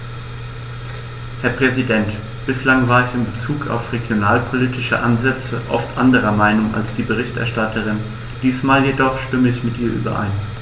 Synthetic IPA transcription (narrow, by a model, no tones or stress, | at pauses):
hɛɐpʁ̥ɛzidɛnt | b̥ɪslaŋvaːɐɪçɪmbət͡suːka̰ʊfʁeɡjonaːlpʰoliːtɪʃə̰ʔa̰nzɛt͡səʔɔ̰ftʔa̰ndəʁ̞ɐmaɪnʊŋa̰lsd̥iːbəʁ̞ɪçtɛ̰ɐʃtatʰəʁ̞ɪn | d̥iːsmaːljedɔχʃtʏməɪçmɪtʔiːɐʔy̰ːbɐ̰ʔa̰ɪn